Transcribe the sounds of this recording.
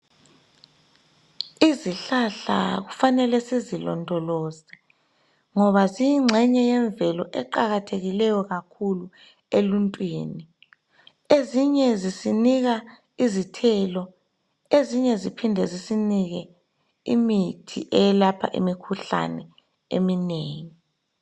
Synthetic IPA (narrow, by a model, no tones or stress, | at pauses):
iziɬaɬa̰ɣufanɛlɛsizilɔ̰ndʱɔlɔːzɛ | ŋɔβazijiŋ͡ǁʱɛɲɛjɛɱbvɛlɔʔɛǃaɣatʰeɣilɛjɔɣakʰulu | eluntʼwḭːni | eziɲɛzisiniɣa | izitʰɛːlɔ | eziɲɛzipʰindʱɛzisiniɣɛ | ḭmitʰḭʔɛjɛlapʰa̰ʔḭmikʰuɬa̰nɛ | ḛmineːŋi